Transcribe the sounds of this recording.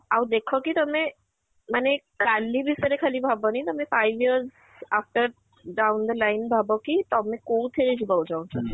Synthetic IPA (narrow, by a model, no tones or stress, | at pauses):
awd̪ekʰɔkit̪ɔme | mane | kalːibʱisəɾekʰalibʱabɔnajt̪ɔmefajʋiəɾz | afʈəɾ | ɖawnd̪əlajnbʱabɔkit̪ɔmekout̪ʰeɾed͡ʒʰibawd͡ʒawt͡ʃʰɔ